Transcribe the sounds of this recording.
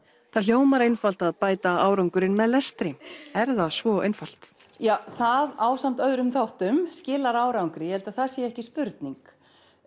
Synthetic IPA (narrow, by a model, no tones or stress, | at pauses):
θaðljoːwmaɾejnfal̥t̪aðpaːjt̪aaːwɾawŋkʏɾɪnmɛðlɛst̪ɾɪɛɾðasvɔːejnfal̥t̪ | jaːwθaðaːwsam̥t̪œðɾʏmθawht̪ʏmscɪːlaɾaːwɾawŋkɾɪjɛhɛlt̪aθasjɛɛhcɪspʏɾt̪niŋk